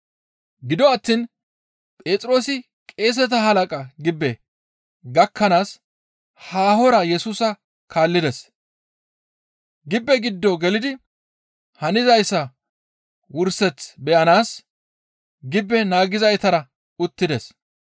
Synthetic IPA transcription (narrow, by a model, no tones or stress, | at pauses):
ɡɪd̪ɔɐt̪ːiːn | pʼe̞ːt͡sʼɾo̞ːsɪ | kʼe̞ːs̬ɛt̪ɐɦɐlɐkʼɐɡɪbːɛ | ɡɐkʰːɐnaːs | haːhɔɾɐjɛsuːsɐ | kʰaːlːɪd̪ɛs | ɡɪbːɛɡɪd̪ːɔɡɛlɪd̪ɪ | hɐnɪzɐjsɐ | wʊɾsɛt͡sbɛʔɐnaːs | ɡɪbːɛnaːɡɪzɐjt̪ɐɾɐ | ʊt̪ːɪd̪ɛs